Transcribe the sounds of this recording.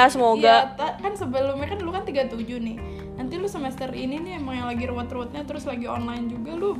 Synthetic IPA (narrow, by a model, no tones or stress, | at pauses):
asəmoɡjat̪akansəbəlʊmɲakanlʊkant̪iɡat̪ud͡ʒʊhnɪh | nant̪ilʊsəmɛst̪ərininiemaŋjaŋlaɡiɾəwat̪rəwat̪̚ɲat̪əɾʊslaɡiɔ̰nlaɪnd͡ʒuɡalʊ